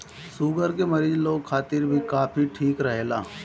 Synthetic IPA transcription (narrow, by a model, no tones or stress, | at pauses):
suːɡəɾkemɐɾiːd͡ʒloːɡkʰaːt̪ɪɾbʱikaːpʰiʈʰiːkɾɐɦeːlaː